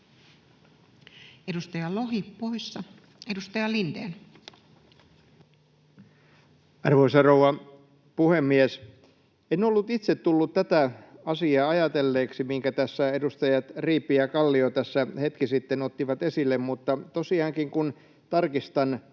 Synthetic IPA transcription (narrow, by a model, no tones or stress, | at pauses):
edust̪ɑjɑloɦippoisːɑ | edust̪ɑjɑlind̪ḛːn | ɑrʋoisɑrouʋɑ | puhemːies | enolːut̪it̪set̪t̪ulːut̪t̪æt̪æɑsiɑːɑjɑt̪elːeːksimiŋkæt̪æsːæedust̪ɑjɑt̪riːpːijækɑlːiot̪æsːæhet̪kisit̪ːenot̪ːiʋɑt̪esilːemmut̪ːɑt̪osiɑːŋkiŋkun | t̪ɑrkist̪ɑn